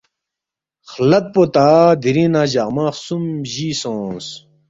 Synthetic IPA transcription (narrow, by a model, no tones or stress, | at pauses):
χlɐt̪̚pot̪aːd̪iɾĩnãːʑamãːsumʑiːsõːs